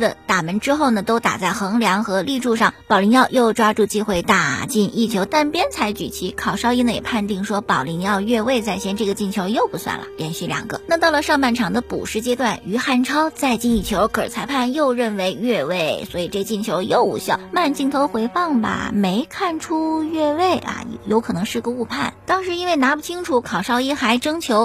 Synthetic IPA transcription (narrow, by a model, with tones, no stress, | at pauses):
ə̰˨˩t̪a˨˩mə˧˥nʈ͡ʂɻ̩˥xo˥˩ʊnə˩t̪o˥ʊt̪a̰˨˩t͡sa˥˩ɪxɤ˧˥ŋljɑ˧˥ŋxɤ˧˥li˥˧ʈ͡ʂu˥˧ʂɑ˥˩ŋpɑ˨˩li˧˥ŋjɑ˥˧ʊjo˥˩ʊʈ͡ʂwa˥ʈ͡ʂu˥˧t͡ɕi˥˧xwe˥˩ɪt̪a˨˩t͡ɕi˥˧ni˥˩t͡ɕʰjo˧˥ʊt̪a˥˩npjɛ˥nt͡sʰa˧˥ɪt͡ɕy̰˨˩t͡ɕʰi˧˥kʰɑ˨˩ʊʂɑ˥ʊi˥˧nd̪ə˩jɛ̰˨˩pʰa˥˧nt̪i˥˩ŋʂwɔ˥pɑ̰˨˩ʊli˧˥ŋjɑ˥˧ʊɥɛ˥˧we˥˧ɪt͡sa˥˩ɪɕjɛ˥nʈ͡ʂɤ˥˩ɡə˩t͡ɕi˥˩nt͡ɕʰjo˧˥ʊjo˥˩ʊpu˧˥swa̰˥˩nlə̰˩ljɛ˧˥nɕy˥˩ljɑ̰˨˩ŋɡə̰˦na˥˧t̪ɑ˥˩ʊlə˩ʂɑ˥˧ŋma˥˩nʈ͡ʂʰɑ˨˩ŋd̪ə˦pṵ˨˩ʂɻ̩˥˧t͡ɕjɛ˥t̪wa˥˩ny˧˥xa˥˩nʈ͡ʂʰɑ˥ʊt͡sa˥˧ɪt͡ɕi˥˧ni˥˩t͡ɕʰjo˧˥ʊkʰɤ˨˩t͡sʰa˧˥ɪpʰa˥˧njo˥˧ʊɻə˥˩nwe˧˥ɪɥɛ˥˧we˥˩ɪswɔ˧˥i˨˩ʈ͡ʂɤ˥˩ɡə˩t͡ɕi˥˩nt͡ɕʰjo˧˥ʊjo˥˩ʊṵ˧˥ɕjɑ˥˩ʊma˥˧nt͡ɕi˥˩ŋt̪ʰo˧˥ʊxwe˧˥ɪfɑ˥˩ŋbɐ̰˩me˧˥ɪkʰa˥˩nʈ͡ʂʰu˥ɥɛ˥˧we˥˩ɪɐ̰˩j̰jo˧˥ʊkʰɤ˨˩nɤ˧˥ŋʂɻ̩˥˧ɡə˧u˥˧pʰa̰˥˩nt̪ɑ˥ŋʂɻ̩˧˥i˥nwe˥˩ɪna˧˥pu˧˩t͡ɕʰi˥ŋʈ͡ʂʰu˧˥kʰɑ˨˩ʊʂɑ˥ʊi˥xa˧˥ɪʈ͡ʂɤ˥ŋt͡ɕʰjo˧˥ʊ